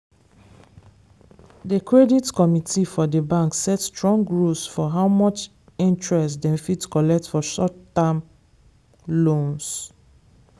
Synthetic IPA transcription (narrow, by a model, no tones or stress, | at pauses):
dəkɹɛditkɔmitʰifɔdəbãŋksɛtstɹɔ̃ŋɡɹusfɔɦawmɔt͡ʃ | ĩntɹɛstdɛ̃mfitkɔlɛk̚tfɔʃɔtːãm | lõns